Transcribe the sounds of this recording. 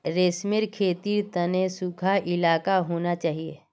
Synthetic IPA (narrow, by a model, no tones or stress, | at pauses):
ɾeːsmɪɾkʰeːt̪iːɾt̪ɐnesukʰaʔɪlaːkaɦoːnat͡ʃaːɦiḛː